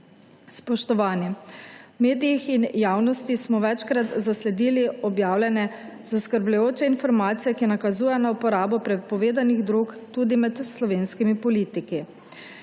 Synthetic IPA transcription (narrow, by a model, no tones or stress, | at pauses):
spɔʃt̪ɔʋaːnimeːd̪ijixinjaːwnɔst̪ismɔʋɛt͡ʃkɾat̪zaslɛd̪iːliɔbjaːwlʲɛnɛ | zaskəɾblujoːt͡ʃɛinfɔɾmaːt̪sijɛkinakazuːjɛnaupɔɾaːbɔpɾɛt̪̚pɔʋeːd̪aniɣd̪ɾukt̪uːd̪imɛt̪slɔʋeːnskimipɔliːt̪iki